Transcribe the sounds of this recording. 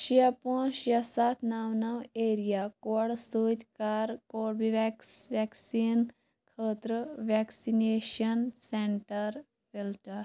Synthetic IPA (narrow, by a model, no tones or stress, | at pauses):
ɕiapõɕəsat̪ʰnawnaweɾijakoɽsut̪kaɾkoɾbiʋɛksʋɛksin | kʰət̪ɾəʋɛksineɕənseɳʈəɾ | filʈ̪aɾ